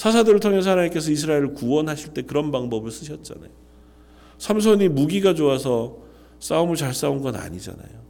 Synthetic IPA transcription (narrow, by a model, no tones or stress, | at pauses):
sʰas̬ʰadɯɾɯɭtʰoŋe̞s̬ʌaaɾaŋik͈esʰʌis̬ʰɯɾaeɾɯɭkuʌnɦaɕʰiɭt͈e̞kɯɾʌnbaŋbʌbɯɭs͈ɯɕʰʌt̚t͡ɕ͈a̰na̰jo | sʰams̬ʰoɲimuɡiɡad͡ʑoasʰʌ | s͈aumuɭt͡ɕaɭs͈aunɡʌna̰ɲid͡ʑa̰na̰jo